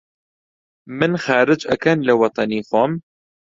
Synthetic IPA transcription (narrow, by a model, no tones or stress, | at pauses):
mɨnxaːɾɨd͡ʒɐkʰɐnlɐwɑt̪ˤɑniːxoːm